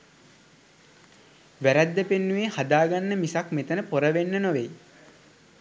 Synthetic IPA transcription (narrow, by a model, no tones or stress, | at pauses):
ʋæɾæd̪ːəpenːuʋeːhad̪aːɡanːəmisakmet̪ənəpoɾəʋenːənoʋej